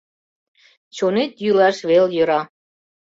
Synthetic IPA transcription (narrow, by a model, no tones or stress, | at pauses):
t͡ɕonet̪jylɑʃβeljə̆ɾɑ